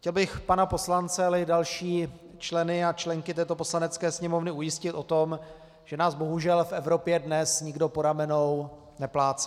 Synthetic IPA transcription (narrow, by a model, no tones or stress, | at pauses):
xcɛlbɪxpanapo̞slant͡sɛalɛɪdalʃiː | t͡ʃlɛnɪat͡ʃlɛŋkɪt̪ɛːt̪o̞po̞slanɛt͡skɛːsɲɛmovnɪujɪscɪt̪ʔo̞t̪o̞m | ʒ̥ɛnaːzbo̞ɦuʒɛlfʔɛvɾo̞pjɛdnɛsɲɪɡdo̞po̞ɾamɛnow | nɛplaːt͡sɛ̥